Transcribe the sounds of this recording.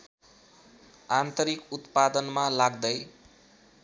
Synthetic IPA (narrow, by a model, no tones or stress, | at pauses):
ant̪ʌɾikut̪pad̪ʌnmalaɡd̪ʌj